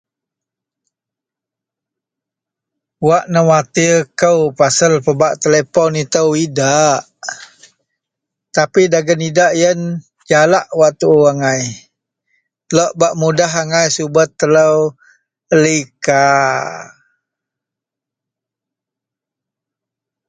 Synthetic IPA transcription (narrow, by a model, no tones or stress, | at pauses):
waʔnəwat̪ikəwpasəlpəbaʔt̪elepɔnit̪əwidaʔ | t̪apidaɡənidaʔjən | d͡ʒalaʔwaʔt̪uaŋaj | lɔʔbaʔmudaɦaŋajsubət̪ːələw | əlika